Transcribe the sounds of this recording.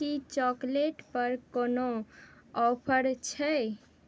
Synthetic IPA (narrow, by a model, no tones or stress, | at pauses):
it͡ʃɔkleʈpəɾkono | ɔpʰəɾt͡ʃʰə